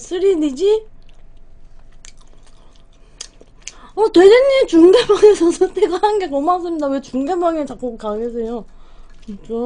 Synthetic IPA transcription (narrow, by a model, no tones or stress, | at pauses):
sʰɯɾinid͡ʑi | ʌtwedenːit͡ɕuŋɡebjaŋesʰʌsʰʌtʰeɡaaɯnɡekomas̬͈ɯmɲidawe̞t͡ɕuŋɡebaŋet͡ɕak͈okaɡes̬ʰejo | kt͡ɕo